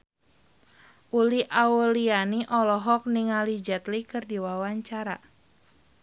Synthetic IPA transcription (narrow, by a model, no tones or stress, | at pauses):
ʔuliʔaulianiʔɔlɔɦɔk̚niŋalid͡ʒat̪likɨrdiwawaɲt͡ʃaɾa̰